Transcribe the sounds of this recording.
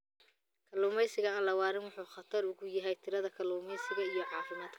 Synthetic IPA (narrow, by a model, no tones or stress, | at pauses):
kʰɐluːmɛjsɪɣɐaːnlɐwɑːɾɪnwɑħuːχɐt̪ʰɐrʊɣʊjɐɦɛjt̪ʰɪɾɐðɐkʰɐluːmɛjsɪɣɐijɞʕɑːfɪmaːd̪̥kʰɐ̥